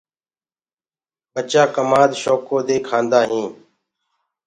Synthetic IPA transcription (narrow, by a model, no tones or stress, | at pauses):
ɓət͡ʃaːkəmaːd̪ʃoːkoːd̪eːkʰãːnd̪aːɦĩː